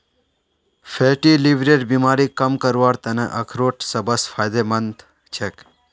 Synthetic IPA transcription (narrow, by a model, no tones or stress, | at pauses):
fʰeʈiliʋɾeːɖbimaːɾikəmkəɾʋaːɾt̪ɐneʔəkʰɾoːʈʰsəbəsfʰaːjd̪emənt̪ | t͡ʃʰek